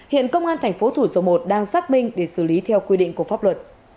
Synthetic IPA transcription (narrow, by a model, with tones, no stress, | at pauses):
hḭ˧˨ənkə˧wŋ͡mʔaː˧nt̪ʰa˨˩jŋ̟fo˨˦t̪ʰu˧˩zɔ˨˦mo˨˩t̚ɗaː˧ŋsaː˦˥k̚mï˧ŋ̟ɗe˧˩sɨ˧˩li˨˦t̪ʰɛ˧wkwi˧ɗḭ˧˨ŋ̟ku˧˩əfaː˦˥p̚lwə˨˩t̚